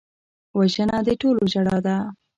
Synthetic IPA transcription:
waʒənad̪əʈoloʒaɽɑd̪a

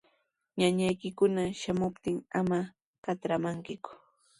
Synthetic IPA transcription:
ɲaɲajkɪkʊnaʃamʊpt̪ɪŋama | kat̪ɾamaŋkɪkʊ̥

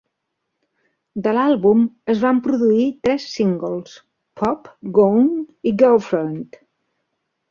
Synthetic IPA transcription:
d̪əlalˠβuməzβampɾuðuit̪ɾɛsːiŋɡəlˠs | pʰɔpɡowŋiɡawfɾont̪

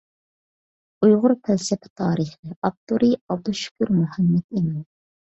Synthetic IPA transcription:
ujʁʊɾpʰʲɛlsɛpʰɛ̥t̪ʰɑːɾiχɨɑb̚t̪ʰuɾiɑb̚d̪uʃy̥kʲyɾmuhæmːɛd̪imɪ

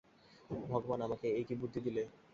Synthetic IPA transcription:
bʱɔɡobanamakeejʈibuɾd̪ʱid̪ile

